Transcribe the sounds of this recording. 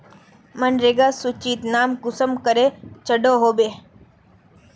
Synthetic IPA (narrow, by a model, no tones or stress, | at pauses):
mənɾeɡaːsut͡ʃiːt̪naːmkʊsəmkəɾet͡ʃəɖoɦoːbeː